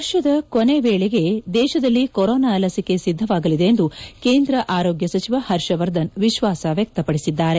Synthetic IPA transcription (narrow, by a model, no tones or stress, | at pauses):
ɐɾʃɐd̪ɐkone̞ʋeːɭeɡe̞d̪ɛːʃɐd̪ɐlːikoɾoːnaːlɐsike̞sid̪ʱːɐʋaːɡɐlid̪e̞ːnd̪ukeːnd̪ɾɐʔaːɾoːɡjɐsɐt͡ʃiʋɐhɐɾʃɐʋɐɾd̪ɐnʋiʃʋaːsɐʋjɐk̚t̪ɐpɐɽisid̪ːaːɾe̞